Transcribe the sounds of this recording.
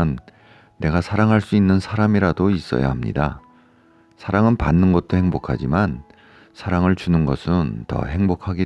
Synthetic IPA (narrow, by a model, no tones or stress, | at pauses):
nː | e̞ɡasʰaɾaŋɦaɭs͈uinːɯnsʰaɾamiɾadois͈ʌ̰ja̰hamɲḭda | sʰaɾaŋɯnpa̰nːɯnɡʌt̚t͈ohe̞ŋbokʰad͡ʑiman | sʰaɾaŋɯɭt͡ɕunɯnɡʌsʰɯntʌ̰he̞ŋbokʰaɡi